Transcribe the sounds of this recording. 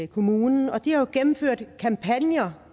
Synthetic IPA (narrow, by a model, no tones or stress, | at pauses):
kʰo̝muːnn̩ɒ̽d̥ihɑjoɡ̥enm̩føɐ̰d̥kʰɑ̈mpʰænjɐ